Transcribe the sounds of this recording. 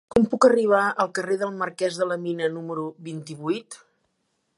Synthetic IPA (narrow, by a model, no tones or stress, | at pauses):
kɔmpukəriβ̞aəlˠkəreðəlˠməɾkɛzðələminənuməɾuβint̪iβujt̪